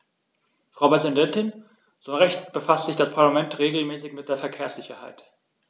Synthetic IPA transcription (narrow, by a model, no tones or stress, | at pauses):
fʁ̥aʊpʁɛzɪndɛntɪn | z̥oːʁɛçtb̥əfastz̥ɪçd̥aspʰaɐlamɛntʁeːɡl̩mɛːsɪçmɪt̚d̥eːɐfɛɐkʰeːɐsz̥ɪçɐha̰ɪt